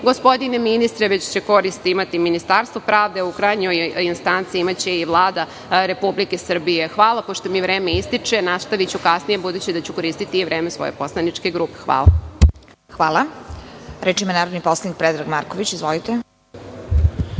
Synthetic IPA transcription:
ɡo̞spo̞d̪ineminist̪ɾeʋe̞t͡ɕt͡ɕe̞ko̞ɾist̪imat̪iminist̪aɾst̪ʋopɾaːʋd̪e̞ukɾajɲojinst̪ant̪siimat͡ɕe̞iʋlˠaːd̪a | ɾe̞publike̞sr̩bije̞xʋaːlˠapoʃt̪o̞miʋɾeːme̞ist̪it͡ʂe̞nast̪aʋit͡ɕukasnijebud̪uːt͡ɕid̪at͡ɕuko̞ɾiːst̪it̪iːʋɾeːmesʋo̰jepo̞slˠanit͡ʂke̞ɡɾuːpe̥xʋa̰ːla̰ | xʋaːlˠa | ɾet͡ʃimanaːɾod̪niposlˠanik̚pɾed̪ɾaɡmaɾkoʋit͡ɕizʋolit̪e

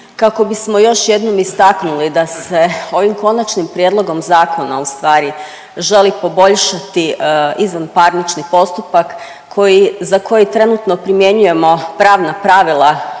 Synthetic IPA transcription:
kako̞bismo̞jo̞ʃje̞d̪nomist̪aknulid̪ase̞o̞ʋimko̞nat͡ʃnimpɾjed̪lˠo̞ɡo̞mzaːko̞na̰ust̪ʋaːɾi | ʒe̞lipo̞bo̞ʎʃat̪iizʋanpaɾnit͡ʃnipo̞st̪upakːʰ | o̞jizako̞jit̪ɾe̞nut̪no̞pɾimje̞ɲuje̞mo̞pɾaːʋnapɾaʋilˠa

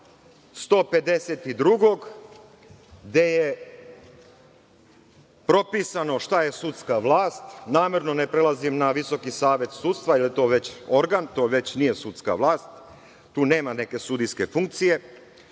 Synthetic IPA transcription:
st̪o̞ːpe̞d̪eset̪id̪ɾuɡo̞ɡ | ɡd̪e̞je | pɾo̞piːsano̞ʃt̪aje̞sut̪skaʋlˠaːst̪naːme̞ɾno̞ne̞pɾelˠazimnaʋiso̞kisaːʋe̞t̪sut̪st̪ʋailjt̪o̞ːʋe̞t͡ɕo̞ɾɡant̪o̞ːʋe̞t͡ɕnije̞sut̪ska̰ʋlˠaːst̪ː | uːne̞ːmane̞ke̞sud̪iske̞fuŋk̚t̪sije̞

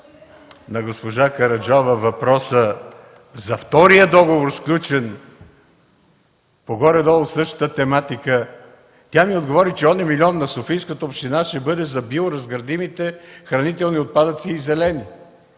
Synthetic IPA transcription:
nɐɡospoʒakɐɾɐd͡ʒɔvɐvɐpɾɔsə | zɐft̪ɔɾijəd̪ɔɡovoɾsklʲut͡ʃɛn | poɡɔɾɛd̪ɔlˠsɤʃt̪ə̥t̪ət̪ɛmat̪ikə | t̪ʲamiod̪ɡovɔɾit͡ʃɛɔnɛmilʲiɔnːɐsofijskət̪əopʃt̪inaʃt̪ɛbɤd̪ɛzɐbioɾɐzɡəɾd̪imit̪ɛxɾɐnit̪ɛlˠniot̪̚pad̪ət̪siːzɛlɛni

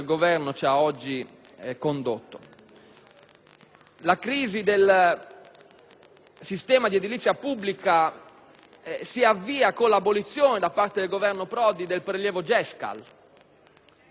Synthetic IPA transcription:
lɡovɛɾnot͡ʃaɔd͡ʒːi | kond̪ot̪ːo | lakɾiːzid̪el | sist̪ɛːmad̪ied̪ilit̪sːjapubːlika | siavːiːakolabːolit̪sːjɔːnɛd̪apːaɾt̪ed̪elɡovɛɾnopɾɔːd̪id̪elpɾeljɛːvod͡ʒɛska̰l

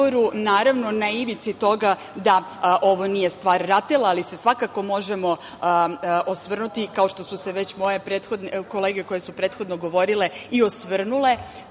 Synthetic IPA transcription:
oɾunaːɾaʋno̞naiʋit̪sit̪o̞ɡa | d̪a | ʔo̞ʋo̞nijest̪ʋaːɾːat̪elˠaːlise̞sʋakako̞mo̞ʒemo̞ | ʔosʋr̩nut̪ikao̞ʃt̪o̞suseʋet͡ɕmo̞je̞pɾeːt̪xo̞d̪neko̞leːɡe̞ko̞jesupɾeːt̪xo̞d̪noɡo̞ʋo̞ɾile̞io̞sʋr̩nule̞

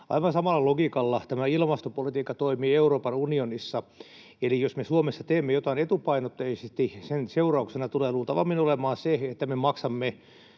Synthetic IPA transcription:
ɑ̰iʋɑnsɑmɑlːɑloɡikɑlːɑt̪æmæilmɑst̪opolit̪iːkːɑt̪oimiːeuroːpɑnunionisːɑ | elijosmesuomesːɑt̪eːmːejot̪ɑinet̪upɑinot̪ːeisest̪isenseurɑuksenɑt̪uleːluːlt̪ɑʋɑ̰mːinolemɑːseet̪ːæmemɑksɑmːe

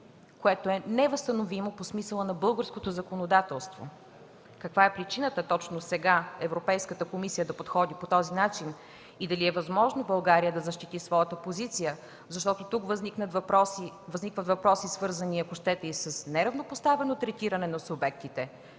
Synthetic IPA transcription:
koɛt̪oɛnɛvɐst̪ɐnovimoposmisəlˠənɐbɤlˠɡəɾskot̪ozɐkonod̪at̪ɛlˠst̪vo̰ | kɐkvaɛpɾit͡ʃinət̪ət̪ɔt͡ʃnosɛɡaɛvɾopɛjskət̪əkomisijəd̪ɐpot̪xɔd̪ipot̪ɔzinat͡ʃin | id̪ɐliɛvɐzmɔʒnobɐlˠɡaɾijəd̪ɐzɐʃt̪it̪isvɔjət̪əpozit̪sijə | zɐʃt̪ɔt̪ot̪ukvəzniknəpɾɔsivɐznikvət̪vɐpɾɔsisvɤɾzəniɐkoʃt̪ɛt̪əisəsnɛɾɐvnopost̪avɛnot̪ɾɛt̪iɾɐnɛnɐsubɛk̚t̪it̪ɛ

